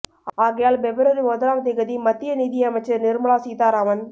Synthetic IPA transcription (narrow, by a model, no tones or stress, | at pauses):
aːɣɐjaːlbɛbɐɾɐɾiɔðɐɾaːmt̪ɪɣɐðimɐt̪ːɪjɐniːðɪjɐɐmɐɪt͡ʃːɐɾnɪɾmɐɭaːsiːt̪aːɾaːmɐn